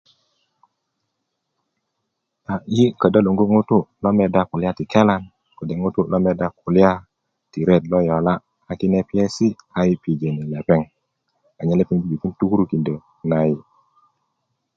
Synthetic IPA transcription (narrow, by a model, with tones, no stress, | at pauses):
a˨ji˦kə˨da˦lu˨ŋɡu˦ŋu˦tu˦lo˦me˦˨da˦ku˨li˦a˦ti˨ke˦la˨n | kə˨de˨ŋu˦tu˦lo˦me˦da˦ku˨li˦a˦ | ti˨ɾe˦˨tlo˦jo˨la˦ | a˨ki˦ne˦pi˦e˦si˦a˨ji˦pi˨d͡ʒe˨ni˨le˨pe˦ŋ | a˨ɲa˦le˦pe˦ŋd͡ʒi˦bi˨ki˦ntu˦ku˦ɾu˦ki˨ndə˨ | na˦ji˦